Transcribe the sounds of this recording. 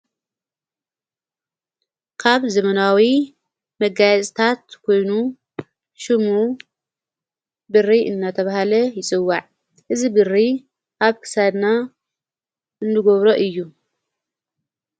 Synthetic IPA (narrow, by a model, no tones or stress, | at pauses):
kʰaβzɐmɐnawi | mɐɡajɛt͡sʼt̪ʰat̪kʰo̞jnu | ʃɨmu | bɨrːiʔɨnːat̪ʰɐβahalɐjɪt͡sʼɨwːaʕ | ʔɨzibɨrːi | ʔaβkʰɨ̥sad̪na | ɨnːɨɡoβɾoʔɨjːu